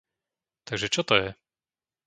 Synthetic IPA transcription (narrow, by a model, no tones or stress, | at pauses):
t̪aɡʐɛt͡ʂɔt̪ɔjɛ